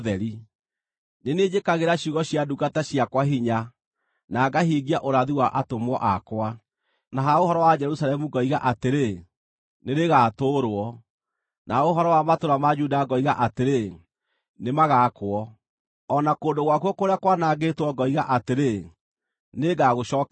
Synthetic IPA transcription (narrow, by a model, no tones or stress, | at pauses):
ðɛɾi | nened͡ʑekaɣeɾaɕjuɣɔɕjaduɡataɕjakwaɦiɲa | naːɡaɦiːɣiaʔoɾaðiwaʔatomwɔʔakwa | naɦaoɦɔɾɔwad͡ʒɛɾusalɛmuɡɔiɣaʔateɾe | neɾeɣatoːɾwɔ | naoɦɔɾɔwamatoɾamad͡ʒudaːɡɔiɣaʔateɾe | nemaɣakwɔː | nakoːndoɣwakwɔkoɾeakwanaɡetwɔɡɔiɣaʔateɾe | neɡaɣoɕɔːk